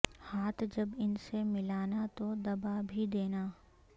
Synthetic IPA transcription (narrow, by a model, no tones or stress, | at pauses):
haːt̪ʰd͡ʒɐbɪnsemɪlaːnat̪od̪ɐbabʱid̪eːnaː